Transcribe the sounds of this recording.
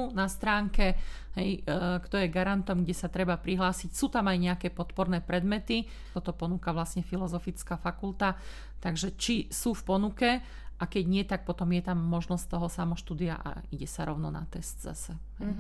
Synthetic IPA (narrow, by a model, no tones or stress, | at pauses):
unast̪ɾaːŋkɛɦɛjkt̪ɔjɛɡaɾant̪ɔmɡɟɛsat̪ɾɛbapɾiɦlaːsicsuːt̪amajɲɛakɛpɔt̪pɔɾnɛːpɾɛd̪mɛt̪i | t̪ɔt̪ɔpɔnukaʋlasɲɛfilɔzɔfit͡skafakult̪a | t̪aɡʒɛt͡ʃisuːfpɔnukɛ | ʔakɛɟɲɪɛt̪ak̚pɔt̪ɔmjɛt̪amːɔʒnɔst̪ɔɦɔsamɔʃt̪uːd̪ia̰ʔa̰iɟɛsaɾɔʊnɔna̰t̪ɛst̪za̰sɛ | ɦɛj